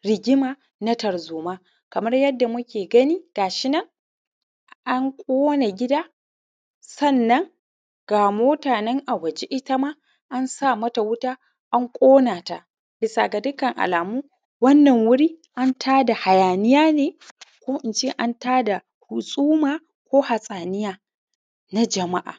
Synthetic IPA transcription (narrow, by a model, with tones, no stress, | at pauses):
ɾɪ˨ɡʲɪ˦maː˨ | nɐ˦tɐ˨rzuː˨maː˦ | kɐ˨mɐ˦rjɐ˦dːa˨mʊ˦kʲeː˨ɡɐ˦niː˦ɡ̥aː˨ʃɪ˦nɐ˦ŋ | ʔa˦ŋkʷʼoː˦na˨ɡʲɪ˦daː˦ | sɐ˦˨nːɐ˦ŋ | ɡ̥aː˨moː˦taː˨nɛ˦ŋʔa˨wɐ˨d͡ʒe˦ʔɪ˦ta˦maː˦ | ʔa˦nsa˦˨mɐ˦ta˨wʊ˦taː˦ | ʔa˦ŋkʷʼoː˦naː˨ta̰˨ | bɪ˨sa˨ɡa˨dʊ˦kɐ˨ŋʔa̰˨laː˨muː˦ | wɐ˦nːɐ˨ŋwʊ˦ɽiː˦ʔa˦ntʰaː˦da˨ha˨jaː˨nɪ˦jaː˦neː˨kʷoː˦ʔɪ˨nt͡ʃeː˦ʔa˦ntaː˦da˨ | hʊ˨sʼuː˦maː˨ | kʷoː˦ha˨sʼaː˨nɪ˦jaː˦ | na˦d͡ʒɐ˨ma˦ʔa̰ː˨